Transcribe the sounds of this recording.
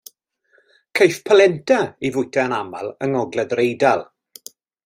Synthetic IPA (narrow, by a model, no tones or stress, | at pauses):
kʰejfpʰəlɛntʰaivʊjtʰaənamalˠəŋɔɡlɛðrejdalˠ